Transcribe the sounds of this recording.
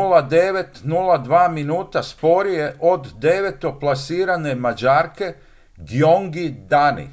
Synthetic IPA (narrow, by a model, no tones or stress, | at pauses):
ulad̪eʋe̞t̪nulˠad̪ʋaːminuːt̪aspo̞ɾije̞ʔod̪ːeʋet̪o̞plˠasiːɾane̞mad͡ʑaːɾke̞ | ɡjoŋɡid̪anḭ